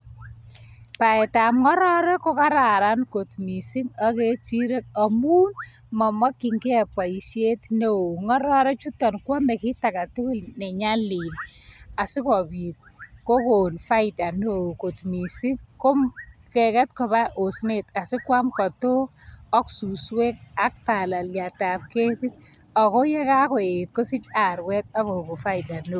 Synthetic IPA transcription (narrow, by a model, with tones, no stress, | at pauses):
pa˨ɛ˨ta˨mŋɔ˦ɾɔ˦ɾɛ˦ko˦ka˦ɾa˨ɾa˦nko˨tmi˨sɪ˦ŋa˦ke˦t͡ʃi˦ɾe˦k̚a˨muː˦nmɔ˨mɔ˦kːi˨ŋɡɛ˦pa˨i˨ʃje˦tne˦o˨ŋɔ˦ɾɔ˦ɾɛ˦t͡ʃu˦tɔ˨nkwɔ˦mɛ˨ki˦ta˨ka˨tʊ˦kʊ˦lne˨ɲa˦li˨na˨sɪ˦kɔ˨bi˨k̚ko˦ko˨nfa˦ɪda˨no˦˨ko˨tmi˨si˦ko˦mkɛ˨kɛ˦t̚kɔ˨βa˦ʔo˨sne˨ta˨sɪ˦kwa˦mkɔ˨to˦ɔ˦ksu˨swe˦k̚a˦k̚pa˨la˨lja˨tap̚ke˦ti˦t̚ | ɔ˨kɔ˦jɛ˦ka˦kɔ˨et̚ko˦sɪ˦t͡ʃa˨ɾwɛ˦t̚a˦koku˨fa˦ɪda˨no